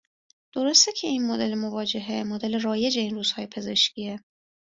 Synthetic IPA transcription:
d̪̥o̞ɾost̪ecʲʰe̞inmod̪e̞lemovɒːd͡ʒe̞ɦemod̪e̞leɾɒːje̞d͡ʒe̞inɾuːz̥hɒːjepʰe̞ze̞ʃcʲiːe

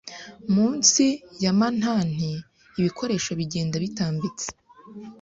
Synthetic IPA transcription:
muːnsijaman̥haːn̥iː | βikʰo̞ɾe̞ːʃaβiɟe̞ːndaβitaːmbit͡se̥

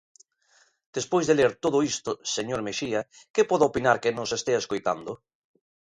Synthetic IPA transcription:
d̪̥espojzðeleɾt̪oðʊist̪oseɲoɾmeʃia | kepɔðʊopinaɾkɪnosest̪eeskojt̪a̰nd̪ʊ

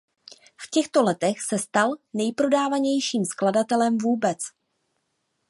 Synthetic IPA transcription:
fcɛxt̪o̞lɛt̪ɛxsɛst̪alnɛjpɾo̞daːvaɲɛjʃiːmskladat̪ɛlɛmvuːbɛt͡s

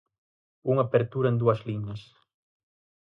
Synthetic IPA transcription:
uŋapeɾt̪uɾɐẽnd̪uɐzliɲɐs

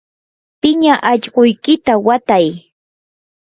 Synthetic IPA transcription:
pɪɲaʔaʎɢojkɪt̪awat̪aj

